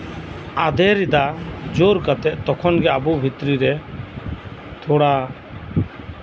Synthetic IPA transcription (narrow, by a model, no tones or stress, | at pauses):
ad̪ʱɛɾid̪ad͡ʒoɾkat̪ɛʔ̚t̪ɔkʰɔnɡɛabubʱit̪ɾiɾɛ | t̪ʰɔɽa